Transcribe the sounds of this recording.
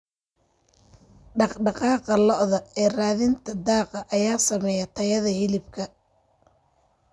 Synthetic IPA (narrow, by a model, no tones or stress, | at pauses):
ɖɑqɖɑqɑːqɑlɔʔðɐɛːraːðɪnt̪ʰɐd̪ɑːqɐʔɐjaːsɐmɛjɐt̪ʰɐjɐðɐhɪlɪbkʰɐ